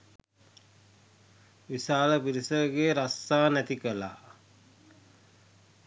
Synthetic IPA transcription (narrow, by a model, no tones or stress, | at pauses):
ʋisaːləpiɾisəɡeɾasaːnæt̪ikəla̰ː